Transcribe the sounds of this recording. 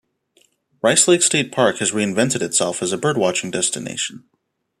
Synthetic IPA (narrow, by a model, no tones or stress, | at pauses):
ɹaɪsleɪksteɪt̚pʰɑɹkhɨzɹiɨ̃ɱvɛ̃ntɨɾɨtsɛlˠfəzəbɜ˞d̚wɑt͡ʃɪ̃ŋdɛstɨnḛɪʃn̩